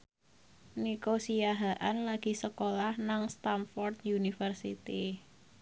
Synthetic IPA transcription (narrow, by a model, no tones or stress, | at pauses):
nikosiaɦaʔanlaɡ̥i̤səkolahnaŋst̪amfɔrt̪̚junifərsit̪i